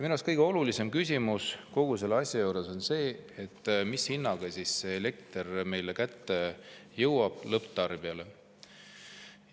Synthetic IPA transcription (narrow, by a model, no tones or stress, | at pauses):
minoskɤjɡ̥eo̞lulise̞mkysʲimusko̞ɡ̥use̞lːɑsʲjɑjowɾe̞so̞nse̞ːet̪ːˑmishinːɑɡ̥esisːeele̞k̚t̪erme̞jlekæt̪ːejɤwwɑb̥lɤpt̪ɑrb̥iɑle